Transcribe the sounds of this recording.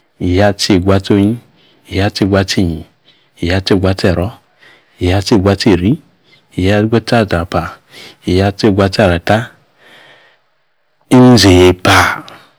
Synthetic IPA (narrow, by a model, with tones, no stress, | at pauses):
i˨ja˦t͡ʃe˦˨ɡʷa˧to˦ɲĩ˦ | i˨ja˦t͡ʃe˦˨ɡʷa˧t͡ʃi˦˨ɲi˨ | i˨ja˦t͡ʃe˦˨ɡʷa˧˦t͡ʃe˦˨ɾɔ˦ | i˨ja˦t͡ʃe˦˨ɡʷa˧t͡ʃe˦˨ɾi˦ | i˨ja˦ɡʷa˦ta˦˨da˨pa˨ | i˨ja˦t͡ʃe˦˨ɡʷa˧ta˦˨ɾa˨ta˦ | i˦n˦ze˨pa˨